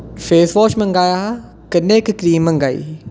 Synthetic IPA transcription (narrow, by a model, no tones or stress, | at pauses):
feːsʋoːʃmɐ̃ŋɡaːjaɦ | kənːeːkkɾiːmːɐŋɡaːḭ